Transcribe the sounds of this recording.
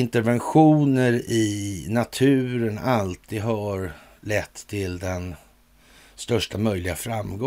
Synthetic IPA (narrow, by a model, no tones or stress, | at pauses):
ɪnt̪ɛɾvɛnɧuːnəɾɪnat̪ʰʉ̟ːɾənalt̪ʰid̪ɦɑɾ | lɛt̪ʰːɪld̪ɛn | st̪œʂʈamœjlɪɡa̰fɾamːɡɔ